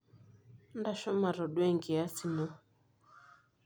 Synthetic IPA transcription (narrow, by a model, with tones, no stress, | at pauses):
nda˦˨ʃɔ˦ma˨ɾɔ˨ɗwɛ˦ŋɡi˨a˦si˨nɔ˦